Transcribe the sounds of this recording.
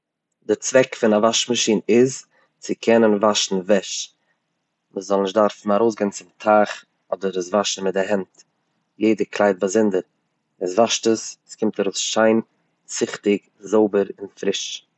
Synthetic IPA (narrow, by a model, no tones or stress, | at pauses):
dɪt͡svɛkfɪnavaʃmaʃiːnɪz | t͡sɪkʰɛnənvaʃn̩vɛʃ | məszɔlˠnɪʃdaɾfn̩aɾoʊs̬ɡeɪnt͡sɪmtʰaχ | ɔdəɾəsvaʃn̩mɪt̚dɪɦɛnt | jeɪdəkʰlˠaɪt̚bazɪndəɾ | ɪsvaʃtəsskɪmtaɾoʊsʃaɪn | t͡sɪχtɪk | zoʊbəɾɪnfɾɪʃ